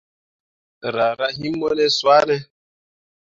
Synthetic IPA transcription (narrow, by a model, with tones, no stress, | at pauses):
ɾa˨ɾa˦ɦi˦mɔ˦nɛ˦swa˦nɛ˦